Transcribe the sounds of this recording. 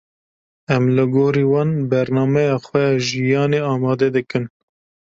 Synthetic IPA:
ɛmlɨɡoːɾiːwɑːnbɛɾnɑːmɛjɑːxʷɛjɑːʒijɑːneːɑːmɑːd̪ɛd̪ɨkɨn

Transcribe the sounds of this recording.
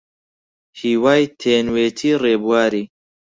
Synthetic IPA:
hiːwaːjt̪ʰeːnweːt̪ʰiːreːbuwaːɾiː

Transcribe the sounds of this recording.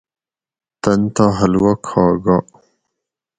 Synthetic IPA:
t̪ɐnt̪aɦɐlwɐkʰaːɡa

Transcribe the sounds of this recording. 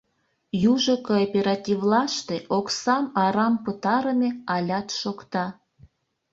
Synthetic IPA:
juʒokoopʲeɾɑt̪ʲivlɑʃt̪eʔoksɑmɑɾɑmpət̪ɑɾəmeɑlʲɑt̪ʃokt̪ɑ

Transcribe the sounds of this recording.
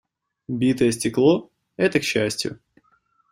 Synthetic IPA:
bʲit̪əjəsʲtʲɪklˠo̞ | ɛt̪əkɕːæsʲtʲjʊ̰

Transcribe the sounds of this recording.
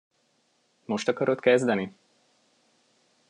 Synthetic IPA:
moʃt̪ɒkɒɾot̪kɛzd̪ɛni

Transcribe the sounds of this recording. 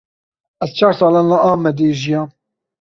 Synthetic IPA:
ɛzt͡ʃʰɑːɾsɑːlɑːnːaʔɑːmɛd̪eːʒijɑː

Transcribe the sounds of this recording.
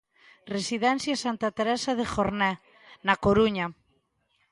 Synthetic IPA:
resiðɛn̟θjasant̪at̪eɾɛsaðexoɾnɛ | nakoɾuɲa

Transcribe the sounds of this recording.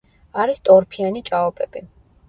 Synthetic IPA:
aɾist̪ʼɔɾpʰianit͡ʃʼaɔpʼɛb̥i

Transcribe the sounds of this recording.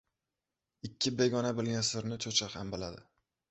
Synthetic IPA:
ɪkʲʰːɪbe̞ɡʲɒnabɪlɡʲansɪɾnɪt͡ʃʰot͡ʃʰahambɪlad̪ɪ

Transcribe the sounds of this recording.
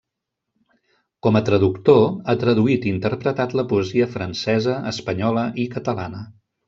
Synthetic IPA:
kɔmət̪ɾəðukt̪oat̪ɾəðuit̪int̪əɾpɾət̪at̪ləpuəziəfɾənsɛzəːspəɲɔləʔikət̪əla̰nə

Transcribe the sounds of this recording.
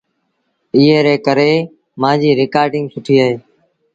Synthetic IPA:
ɪːeːɾeːkəɾeː | mãːd͡ʒiːɾɪkaːɾɖɪ̃ŋɡsʊʈʰiːaːɦeː

